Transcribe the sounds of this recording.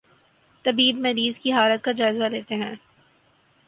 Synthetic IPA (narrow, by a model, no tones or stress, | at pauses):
t̪ɐbiːbmɐɾiːzkiɦaːlət̪̚kad͡ʒaːɪzaleːt̪eɦɛ̃ː